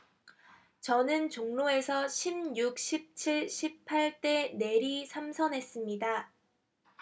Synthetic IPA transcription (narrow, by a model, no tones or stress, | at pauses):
t͡ɕʌnɯnt͡ɕoŋnoe̞sʰʌɕʰimjuk̚ɕ͈ʰip̚t͡ɕʰiɭɕʰip̚pʰaɭt͈e̞ne̞ɾisʰamsʰʌnɦe̞s͈ɯmɲida